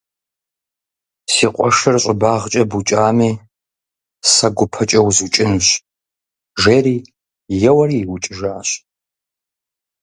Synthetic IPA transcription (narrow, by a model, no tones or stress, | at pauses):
siːqʷʼɔʂɨrɕʼɪbaːʁt͡ʃʼɐbut͡ʃʼaːmiː | sɐɡʷʊpʰɐt͡ʃʼɐwzut͡ʃʼɪnuɕ | ʒeːɾiː | jɛwɐɾiːwʊt͡ʃʼɪʒaːɕ